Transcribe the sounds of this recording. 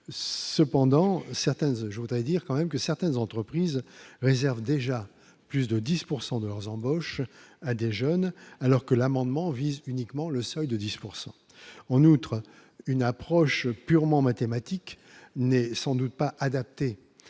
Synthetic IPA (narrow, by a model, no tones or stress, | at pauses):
səpɑ̃d̪ɑ̃sɛʁt̪ɛnʒəvud̪ʁɛd̪iʁkɑ̃mɛmkəsɛʁt̪ɛnzɑ̃t̪χəpχizʁezɛʁvd̪eʒa | plysd̪əd̪ispuʁsɑ̃d̪əlœʁzɑ̃bɔʃad̪eʒœnalɔʁkəlamɑ̃d̪mɑ̃vizynikmɑ̃ləsɔjd̪əd̪ispuʁsɑ̃ | ɑ̃nut̪χ | ynapχɔʃpyʁmɑ̃mat̪emat̪ik | nɛsɑ̃d̪ut̪̚paʔad̪ap̚t̪e